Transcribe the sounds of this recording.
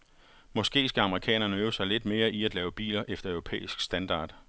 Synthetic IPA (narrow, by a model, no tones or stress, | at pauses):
mɒ̽sɡ̥e̝̰ːsɡ̥æɑ̈məʁikʰɛ̰ːnɐnəøːʊsɑ̈ɪle̝d̥me̝ːɐʔiæd̥lɛːʊəb̥ḭːlɐʔefd̥ɐœʊʁo̝pʰḛːisɡ̥sd̥ænd̥ɑ̰̈ːd̥